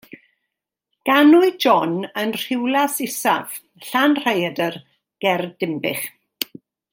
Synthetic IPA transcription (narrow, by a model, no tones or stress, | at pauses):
ɡ̥anʊɨd͡ʒɔnənr̥ɪwlasɪsa̰v̥ | ɬanr̥ajədər | ɡ̥ɛrdɪmbɪ̰χ